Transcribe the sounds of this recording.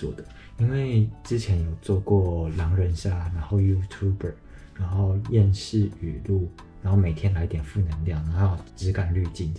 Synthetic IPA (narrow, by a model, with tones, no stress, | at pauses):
ɔ̰˥˩d̪ə˩ | i˥nwe˥˩ɪʈ͡ʂɻ̩˥t͡ɕʰjɛ˧˥njo˨˩ʊt͡swɔ˥˧kwɔ˥˩ljɑ˧˥ŋɻə˧˥nɕja˥˩na˧˥nxo˥˩ʊju˥t̪ʰju˥bə˨˩ɻa˧˥nxo˥˧ʊjɛ˥˧nɕi˥˩y˨˩lu˥˩ | ɻa˧˥nxo˥˩ʊme˨˩ɪt̪ʰjɛ˥nla˧˥ɪ˥t̪jɛ˨˩nfu˥˩nə˧˥ŋljɑ˥˩ŋna˧˦xo˥˩jʈ͡ʂɻ̩˧˥ka˨˩nly˥˧t͡ɕi˥˩n